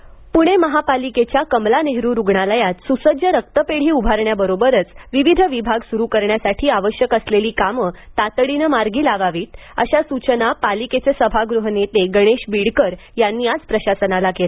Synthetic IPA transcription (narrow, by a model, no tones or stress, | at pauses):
puɽ̃eməɦapaliket͡ɕjakəmlaneɦɾuːɾuɡɳaləjat̪susəd͡ʑjəɾək̚t̪əpeɽ̤iːubʱaɾɳjabəɾobəɾət͡sʋiʋid̪ʱəʋibʱaɡsuɾukəɾɳjasaʈʰiːaʋəɕjəkəsleliːkamət̪at̪əɽinəmaɾɡiːlaʋaʋiːt̪̚ə̰ɕasut͡ɕənapaliket͡sesəbʱaɡɾuɦənet̪eɡəɽ̃eɕbiɽkəɾjanːiːad͡zpɾəɕasənalakela